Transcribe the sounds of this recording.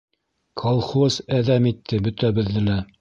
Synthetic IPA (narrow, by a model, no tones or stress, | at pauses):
kʰɑlˠχosæðæmit̪ʰːɘbɵ̆t̪æbɘ̆ðːɘ̆læ